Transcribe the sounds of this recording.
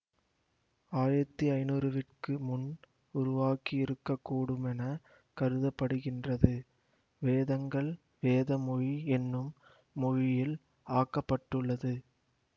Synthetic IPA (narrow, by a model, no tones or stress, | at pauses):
aːjɐt̪ːiɐɪnuːɾɯʋɪʈkɯmʊn | ʊɾʊʋaːkiɪɾɯkːɐkːuːɽɯmɛnɐ | kɐɾɯðɐpːɐɽɯɣɪndrɐðɯ | ʋeːðɐŋɡɐɭ | ʋeːðɐmɔɻiɛnːɯmː | ɔɻɪjɪl | aːkːɐpːɐʈːɯɭːɐðɯ